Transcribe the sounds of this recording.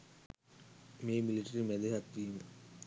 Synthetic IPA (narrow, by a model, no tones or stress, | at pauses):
meːmiliʈɐɾimeleɦɐt̪ːijm